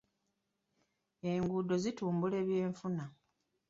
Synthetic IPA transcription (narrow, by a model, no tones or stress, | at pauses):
e̞ŋɡuːdo̞zituːmbule̞ːβje̞ːɱfuna